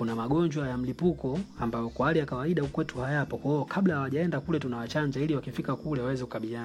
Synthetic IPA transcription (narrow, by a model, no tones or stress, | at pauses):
kunamaɠɔɲd͡ʒwajam̩lipukɔambajɔkwaalijakawaiɗahukwɛtuhajapɔkwaɔkʰaɓlahawaʄaɛndakulɛtunawat͡ʃaɲd͡ʒailiwakifikakulɛwawɛzɛku̥kaɓilijan